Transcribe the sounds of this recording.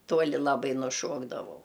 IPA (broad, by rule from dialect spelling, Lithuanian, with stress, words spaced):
ˈtuɔlʲɪ lˠɐˈbɐɪ nʊˈʃuɔɡdɐʋɐʊ